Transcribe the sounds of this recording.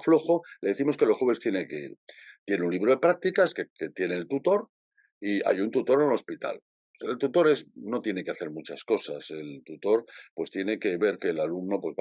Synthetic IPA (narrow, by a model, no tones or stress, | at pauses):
flo̞xo̞le̞ðeθimo̞skelo̞sxoβest̪je̞neŋke̞ḭɾt̪je̞neunliβɾoðepɾak̚t̪ikaskeket̪je̞neːlt̪ut̪o̞ɾ | ia̰junt̪ut̪o̞ɾelo̞spit̪a̰l | elt̪ut̪o̞ɾe̞zno̞t̪jeneke̞aθe̞ɾmut͡ʃasko̞sa̰se̞lt̪ut̪o̞ɾpwe̞st̪je̞ne̞ke̞βe̞ɾke̞ːlalumno̞pwe̞zβ